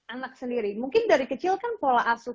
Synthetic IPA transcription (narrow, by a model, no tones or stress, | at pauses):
anak̚səndiɾimuŋkɪndaɾikət͡ʃɪlkanpolaʔasʊ